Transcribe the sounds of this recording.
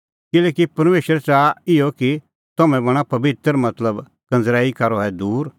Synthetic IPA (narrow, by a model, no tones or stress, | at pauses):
kɪlɛːkipɐɾmeːʃəɾt͡ʃaɪjɔki | t̪ɐmɛ̃bɐɽ̃apɐbɪt̪ɾmɐt̪ləb | kɐ̃nd͡zɾaːikɐɾɔɦɛd̪uːɾ